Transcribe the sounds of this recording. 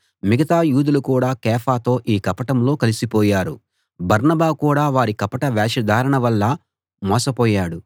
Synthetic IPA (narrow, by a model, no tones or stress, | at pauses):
miɡɐt̪aːjuːd̪ulukuːɽaːkɛːfʰaːt̪o̞ːʔiːkɐpɐʈɐmlo̞ːkɐlisipɔːjaːɾṵ | bɐɾnɐbaːkuːɽaːʋaːɾikɐpɐʈɐʋaːʃɐd̪ʱaːɾɐɳɐʋɐlːɐ | mɔːsɐpɔːjaːɽu